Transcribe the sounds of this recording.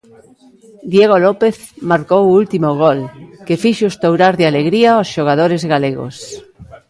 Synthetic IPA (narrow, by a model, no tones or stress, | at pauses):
d̪jeɣolɔpeθ | maɾkowult̪imoɣ̞olkefiʃoest̪owɾaɾðɪaleɣɾiaosʃoɣ̞aðoɾezɣaleɣo̰s